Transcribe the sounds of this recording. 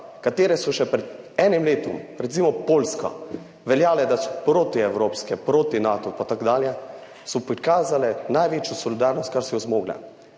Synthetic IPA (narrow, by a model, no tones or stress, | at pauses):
kat̪eːɾɛsɔʃɛpɾɛd̪ | ɛːnimleːt̪ɔ̰mɾɛt̪simɔpoːlskɔ̰ | ʋɛljaːlɛd̪asɔ̥pɾoːt̪iɛwɾoːpskɛpɾoːt̪inaːt̪ɔpat̪akd̪aːljɛ | sɔpɾikaːzalɛnajʋeːt͡ʃjusɔlid̪aːɾnɔst̪̚kaɾsɔjɔzmoːɡlɛ̰